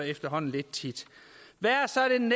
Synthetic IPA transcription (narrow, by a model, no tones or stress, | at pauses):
efd̥ɐɦɒ̽n̰n̩le̝d̥̚t͡sʰid̥ʋæɐsɒ̽ɾ̥e̝n